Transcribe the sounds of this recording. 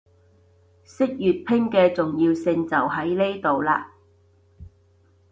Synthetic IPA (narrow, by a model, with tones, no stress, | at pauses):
sɪ˥k̚jyː˨t̚pʰɪ˥ŋkɛː˧t͡sʊ˨ŋjiː˧wsɪ˧ŋt͡sɐ˨˩wɦɐ˨˥jle˥jt̪o˨wlaː˧